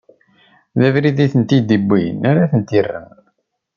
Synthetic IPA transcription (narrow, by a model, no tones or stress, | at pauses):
ðævɾiðiθənt̪id̪ibːḭnaɾaθənt̪irːə̰n